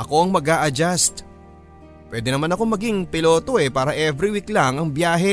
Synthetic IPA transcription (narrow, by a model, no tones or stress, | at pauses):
ʔɐko̞ɐŋmɐɡaːʔɐd͡ʒast̪̚ | pwɛd̪ɛnɐmanɐko̞mɐɡiŋpɪlo̞ːt̪o̞ʔɛpaːɾɐʔɛvɾiwiklaŋɐŋbjaːɦɛ